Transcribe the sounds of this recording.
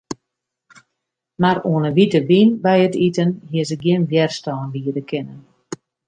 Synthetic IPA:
maɾuənəʋitəbinbɛjətitənɦiəsəɡjɪnvjɛrstɔːndiːədəkʰɪnən

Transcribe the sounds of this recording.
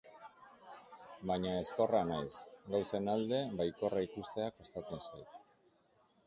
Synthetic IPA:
baɲae̞sko̞ranajsɡawse̞nald̪e̞βajko̞raikust̪e̞akost̪at͡se̞nsajt̪̚

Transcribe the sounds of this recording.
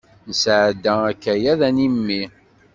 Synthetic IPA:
nəsʕd̪ːæækːæjæðænimːi

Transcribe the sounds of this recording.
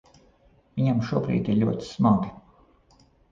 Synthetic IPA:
vʲiɲamʃuɔbɾḭːt̪iɾʎʲuɔt̪i̥smaɡi

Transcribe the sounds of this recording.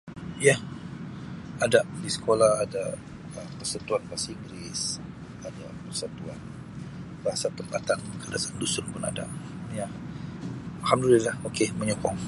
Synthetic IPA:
jah | adaʔdisə̥kʰolahada | əmpərsat̪uanpasiŋɡɾis | adapərsat̪uan | baɦasat̪əmpat̪ankadasandusʊrpʊna̰da̰ʔ | ja | alhamdulilahokeməɲɔkɔŋ

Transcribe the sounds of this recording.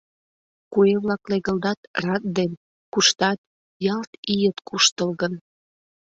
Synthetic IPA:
kueβlɑkleɣə̆ld̪ɑt̪rɑt̪̚d̪en | kuʃt̪ɑt̪ | jɑlt̪ijət̪kʰuʃt̪əlɣən

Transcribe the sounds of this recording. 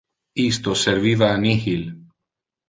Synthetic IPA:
ist̪oseɾβiβaːnixil

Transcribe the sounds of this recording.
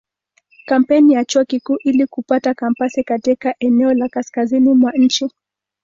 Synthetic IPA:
kam̩pɛnijat͡ʃuɔkikuːʔilikupatakampasikatikaʔɛnɛɔlakaskazinimwaɲ̩t͡ʃi

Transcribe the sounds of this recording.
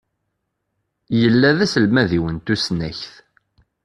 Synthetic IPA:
jəlːæðæsəlmæðiwənt̪usnæçθ

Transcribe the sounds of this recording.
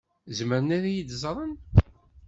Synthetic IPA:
zməɾənaɾajid̪zˤɾˤən

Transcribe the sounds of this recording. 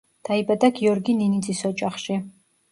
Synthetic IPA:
d̪̥aibad̪aɡiɔɾɡininid̪zʼisɔt͡ʃʼaχʃi

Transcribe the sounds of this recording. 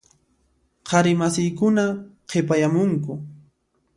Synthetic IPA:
qʰɑɾɪmasɪjkʊnaqʰepajamʊŋkʊ

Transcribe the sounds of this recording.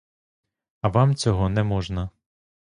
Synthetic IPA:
ɐʋɑmt͡sʲɔɦɔnɛmɔʒnɐ

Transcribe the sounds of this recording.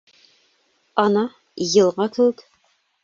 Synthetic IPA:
ɒnɑ | jɤ̆lˠʁɑkʰɘ̆wɘk

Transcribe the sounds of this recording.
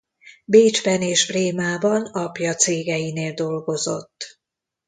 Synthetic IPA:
beːd͡ʒbɛneːʒbreːmaːbɒnɒpjɒt̪seːɡɛjineːld̪o̞lɡo̞zo̞̰t̪ː

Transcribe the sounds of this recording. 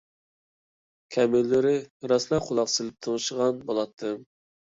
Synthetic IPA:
kʲʰɛmɪlːɪɾɪɾɑslˠɑqʰʊlˠɑqsɨlɪp̚t̪ʰoŋʃəʁɑnbolˠɑt̪ʰːɨm

